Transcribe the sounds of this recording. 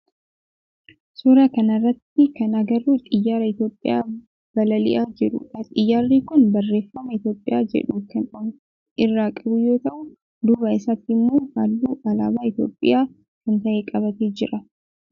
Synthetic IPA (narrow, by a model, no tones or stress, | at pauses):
sʊɾɐkɐnɐrːɐt̪ːɪkɐnɐɡɐrut̪ʼɪjːaːɾɐɪt̪jo̞ːpʼːɪ̰ja̰ː | b̥ɐlɐlɪ̰ʔaːd͡ʒɪɾʊ̰ɐt̪ʼɪjːaːrːiːkʊnbɐrːe̞ːfːɐmɐɪt̪jo̞ːpʼɪjaːd͡ʒɛ̰ᶑuːkɐnon | ʔɪrːaːkʼɐbʊjo̞ːt̪ɐʔʊ | d̪ʊbɐɪsɐt̪ːɪmːoːha̰ːlːuːʔɐlaːbaːɪt̪jo̞̰ːpʼːɪ̰jaː | kɐnt̪ɐʔeːkʼɐbɐt̪eːd͡ʒɪɾʔɐ